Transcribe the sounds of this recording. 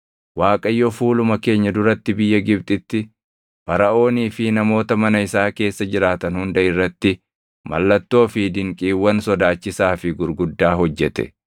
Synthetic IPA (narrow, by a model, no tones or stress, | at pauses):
waːkʼɐjːɔfuːlʊmɐke̞ːɲːɐd̪ʊɾɐt̪ːɪbɪjːɐɡɪbt̪ʼɪt̪ːɪ | b̥ɐɾɐʔo̞ːniːfɪnɐmo̞ːt̪ɐmɐnɐɪsaːke̞ːsːɐd͡ʒɪɾaːt̪ɐnhʊnd̪ɐɪrːɐt̪ːɪ | mɐ̰lːɐt̪ːo̞ːfid̪ɪŋkʼiːwːɐnsɔd̪aːt͡ʃːɪsaːfɪɡʊɾɡʊd̪ːaːɦhɔd͡ʒːɛt̪ɛ̰